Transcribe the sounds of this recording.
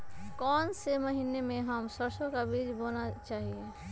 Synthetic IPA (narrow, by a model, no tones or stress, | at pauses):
kɔːnseməɦinemẽɦəmsəɾsõkabid͡ʒbonat͡ʃaːɦie